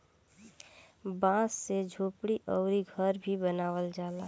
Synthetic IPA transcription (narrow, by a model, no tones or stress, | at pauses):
bãssed͡ʒʱoːpɽiʔɔʊɾiɡʱəɾbʱibənaːʋəld͡ʒaːla